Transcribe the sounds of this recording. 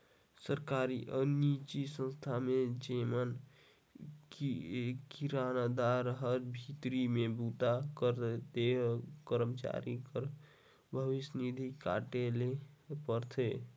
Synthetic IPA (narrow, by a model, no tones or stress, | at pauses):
səɾkaɾiʔənit͡ʃisə̃nst̪ʰamed͡ʒemən | kiɾanad̪aɾɦəɾbʱit̪ɾimebut̪akəɾd̪ekəɾəmt͡ʃa̰ɾikəɾ | bʱəʋisnid̪ʱika̰ʈelepəɾt̪ʰe